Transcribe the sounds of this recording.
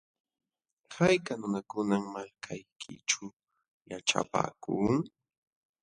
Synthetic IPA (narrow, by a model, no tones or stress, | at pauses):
hajkanʊnakʊnaŋmakʰajkʰɪ̰ʈ͡ʂʊ | jaʈ͡ʂa̰pa̰ːkʊŋ